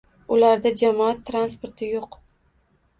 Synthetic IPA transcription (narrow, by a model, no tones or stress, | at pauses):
ʊlaɾd̪ad͡ʒamɒat̪ʰːɾanspo̞ɾt̪ʰɪjoq